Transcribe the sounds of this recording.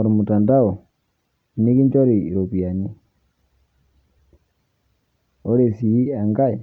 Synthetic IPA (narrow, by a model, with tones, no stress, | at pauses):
o˨ɾi˨mu˨ta˨nda˦o˨ | ni˦ki˦nd͡ʒo˦ɾiː˨ɾo˨pi˨a˨ni˦ | o˦ɾe˨si˨i˦a˨ŋɡa˦i˨